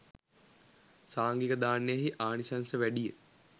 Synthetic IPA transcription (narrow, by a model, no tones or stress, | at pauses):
saːŋɡikəd̪aːnːejəɦiʔaːnisansəʋæɖijə̰